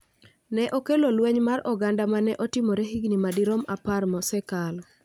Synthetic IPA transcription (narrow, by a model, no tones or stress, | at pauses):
nɛʔokelolweɲmarɔɡandamanɛʔɔtɪmoɾeɦiɡnimadiɾɔmaparmɔsɛkal